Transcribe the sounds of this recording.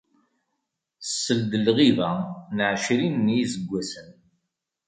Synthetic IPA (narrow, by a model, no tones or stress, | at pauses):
sːəld̪əlʁiðænəʕʃɾinːjizəɡʷːæsən